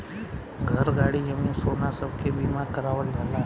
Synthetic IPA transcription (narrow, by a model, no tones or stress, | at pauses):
ɡʱəɾɡaɽid͡ʒəminsonasəb̚kʰebimãkəɾaʋəldʱala